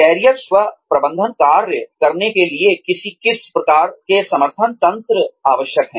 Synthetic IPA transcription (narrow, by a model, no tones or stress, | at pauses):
kɛːɾijəksʋɐpɾɐbə̃nd̪ʱənkaːɾjəkɐɾnekeliekɪsikɪspɾɐkaːɾkesɐməɾt̪ʰənt̪ɐ̃nt̪ɾəaːʋəʃjəkɦɛ̃ː